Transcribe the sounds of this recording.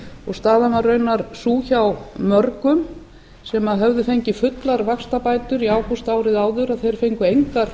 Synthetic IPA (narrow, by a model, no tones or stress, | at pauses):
ɔɣst̪aːðamarːœɥnaɾsuːçawmœɾkʏm | sɛmaðɦœvðʏfejɲcɪfʏt̪laɾvakst̪apaːjt̪ʏɾiaːwkust̪aːwɾɪðaːwðʏɾaðθejɾ̥fejŋkʏejŋkaɾ̥